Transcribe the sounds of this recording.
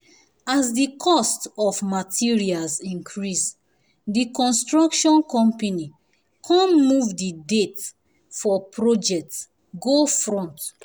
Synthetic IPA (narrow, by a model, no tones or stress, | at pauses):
azdikʰɔstɔfmatʰiɹialzĩŋkʰɹis | dikɔ̃nstɹakʃɔ̃nkɔ̃mpani | kʰãnmuvdidet | fɔpʰɹod͡ʒɛk̚ts | ɡofɹɔ̃nt